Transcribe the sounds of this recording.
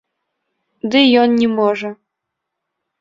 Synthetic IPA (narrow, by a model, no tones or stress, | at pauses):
d̪ɨjɔnnʲimɔʐə